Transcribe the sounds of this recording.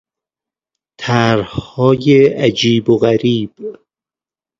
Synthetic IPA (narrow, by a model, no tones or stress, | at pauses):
t̪ʰæɾhɒːjeʔæd͡ʒiːboɣæɾiːb̥